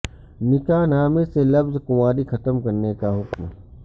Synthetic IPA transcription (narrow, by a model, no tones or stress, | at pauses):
nɪkanaːmeselɐfzkʊmaːɾixʰɐt̪əmkɐɾnekaɦʊkm